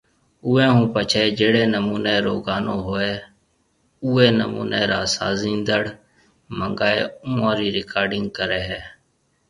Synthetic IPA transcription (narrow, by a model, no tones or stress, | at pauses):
ʊːẽːɦũːpət͡ʃʰeːd͡ʒeːɽeːnəmuːneːɾoːɡaːnoːɦoːeː | uːeːnə̰mṵːneːɾaːsaːzĩːnd̪əɽ | məŋɡaːḛːũːãːɾiːɾɪkaːɾɖɪ̃ŋɡkəɾeːɦɛː